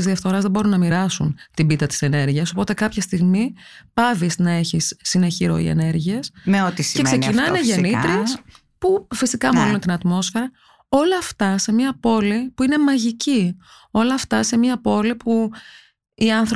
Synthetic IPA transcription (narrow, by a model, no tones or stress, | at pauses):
izðiɐfθo̞ɾɐzðebo̞ɾunːɐmiɾɐsunt̪ibit̪ɐt̪i̥se̞ne̞ɾʝiɐso̞po̞t̪e̞kɐpçɐst̪iɣmi | pɐvisnɐe̞çisːineçiɾo̞̰ḭe̞̰ne̞ɾʝie̞seot̪isekse̞cinɐineʝenit̪ɾis | pufisikɐmolint̪inɐt̪mo̞sfe̞ɾɐ | o̞lɐːft̪ɐse̞miɐpo̞lipuine̞mɐʝici | o̞lɐːft̪ɐse̞miɐpo̞lipu | iɐnθɾo